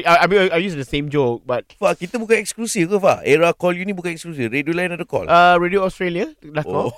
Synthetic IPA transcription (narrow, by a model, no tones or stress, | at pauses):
aamĩaajjusdəsẽmd͡ʒok̚bat̚fakit̪əbukãnɛksklusifkəfa̰ɛɹakɔljunibukãnɛksklus̬ifɾediolajnadəkɔ̰ləɹedioɔstɹeliadakoɔ